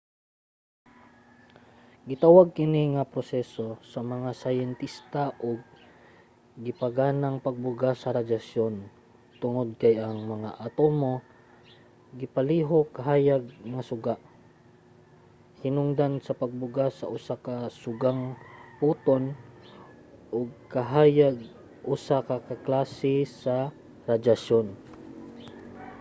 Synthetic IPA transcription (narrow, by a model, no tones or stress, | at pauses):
ɡɪt̪awaɡ̚kɪniŋɐpɾosɛso̞sɐmɐŋasajɛnt̪ist̪aʔoɡ̚ | ɪpɐɡaːnaŋpɐɡ̚bʊɡasɐɾɐd̪asjon | t̪ʊŋod̪̚kɐjʔɐŋmɐŋaʔɐt̪omo̞ | ɡɪpɐliːɦokɐɦaːjaɡ̚ŋasʊɡaʔ | hɪnʊŋd̪ansɐpɐɡ̚bʊɡasɐ̰ʔʊsakasʊɡaŋpuːt̪on | ʔʊɡ̚kɐɦaːjaɡ | ʔʊsakakaklaːsɪsɐ | ɾad͡ʒaʃjon